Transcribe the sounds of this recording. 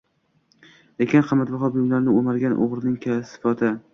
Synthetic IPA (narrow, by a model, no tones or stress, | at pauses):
lekʲɪnqʰɑmːat̪bɑχɒbʊjʊmlaɾnɪomaɾɡʲanʔo̰ʁɾɪnɪŋkʰʲasfɒt̪ʰɪ